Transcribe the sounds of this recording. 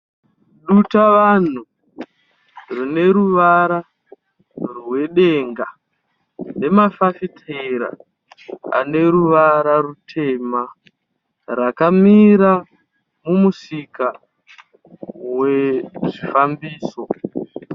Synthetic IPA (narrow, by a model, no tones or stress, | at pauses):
ɗutaʋan̤u | rine̞ɾuʋaɾa | rwe̞ɗe̞ŋɡa | ne̞mafafitʰeɾa̰ | a̰ne̞ɾuʋaɾarutʰe̞ːma | rakamiɾa | mumusika | weʐifambiːso̞